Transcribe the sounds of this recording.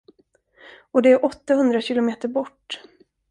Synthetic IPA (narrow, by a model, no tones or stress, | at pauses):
ɔd̪ɛæɾʔɔt̪ːahɵnd̪ɾaɕɪlʊmeːt̪əɾbɔʈː